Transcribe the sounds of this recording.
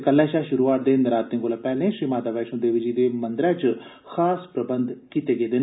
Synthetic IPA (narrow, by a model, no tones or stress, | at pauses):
kəlːɛ̃ːʃaːʃʊɾuːaːʈ̚d̪eːnəɾaːt̪ːẽɡoːlaːpɛːlẽːʃɾiːmaːd̪aːʋɛːʃõːd̪eːʋɪd͡ʒiːd̪eːmənd̪ɾɛ̃ːt͡ʃ | xʰaːspɾəbənd̪kiːt̪eːɡeːd̪ɪn